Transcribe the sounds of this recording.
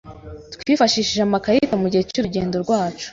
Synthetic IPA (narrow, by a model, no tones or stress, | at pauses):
tkwifaʃiːʃiʒamakajitamuɟihecuːɾuɟe̞ːndo̞ɾɡwaːt͡ʃu̥